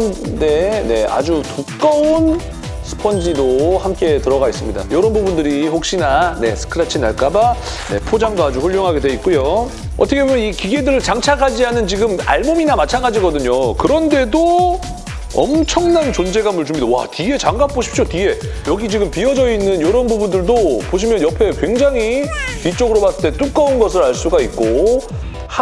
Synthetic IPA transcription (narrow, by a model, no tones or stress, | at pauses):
nde̞ne̞a̰d͡ʑutuk͈aon | sʰɯ̥pʰʌnd͡ʑidohamk͈e̞tɯɾʌɡais͈ɯmɲida̰joɾʌnbubundɯɾiɸok̚ɕ͈inane̞sʰɯ̥kʰɯɾat͡ɕʰina̰ɭk͈aba | ne̞̰pʰod͡ʑaŋdoad͡ʑuɸuʎːoŋɦaɡe̞dwe̞it̚k͈ujo | ʌtʰʌkʰebomjʌnikiɡe̞dɯɾɯɭt͡ɕaŋt͡ɕʰakʰad͡ʑiɦanɯnt͡ɕiɡɯma̰ɭmominamat͡ɕʰanɡad͡ʑiɡʌdɯɲokɯɾʌnde̞do | ʌ̰mt͡ɕʰʌŋnant͡ɕond͡ʑe̞ɡamɯɭd͡ʑumidawa̰tiɡe̞t͡ɕaŋɡap͈oɕʰi̥p̚t͡ɕ͈otie̞ | jʌɡit͡ɕiɡɯmpiʌd͡ʑʌinːɯnjoɾʌnbubundɯɭdopoɕ̬ʰimjʌnjʌpʰe̞kwe̞ŋd͡ʑaŋɦipit͡ɕ͈ʌɡɯɾobas͈ɯɭt͈e̞t͈uk͈aunɡʌsʰɯɾaɭs͈uɡait̚k͈o | h